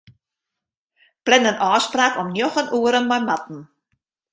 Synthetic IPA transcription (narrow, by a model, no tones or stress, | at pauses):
plɛnənʔɔːspraːkɔmnjɔχənʔuːəɾənmajmatn̩